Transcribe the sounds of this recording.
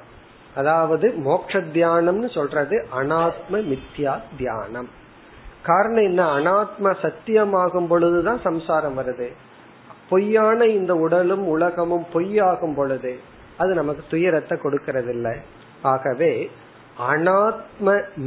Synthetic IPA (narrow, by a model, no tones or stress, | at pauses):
ɐðaːʋɐðɯmoːk̚ʂɐd̪jaːɳɐmnɯsɔlrɐðɯʔɐnaːt̪mɐmɪt̪jaːd̪ja̰ːnɐm | kaːɾɐɳɐ̃mɛnːɐɐnaːt̪mɐsɐt̪ːɪjɐmaːɣɯmpɔɭɯðɯt̪ãːsɐmsaːɾɐmʋɐɾɐðɯ | pɔjːaːnɐɪnd̪ɐʊɽɐlɯmʊɭɐɣɐmɯmpɔjːaːɣɯmpɔɭɯðɯ | ɐðɯnɐmɐkːɯ̥t̪ʊjɐɾɐt̪ːɛkɔɽɯkːɪɾɐðɪlːɐ | aːɣɐʋeː | ɐnaːt̪̚mɐm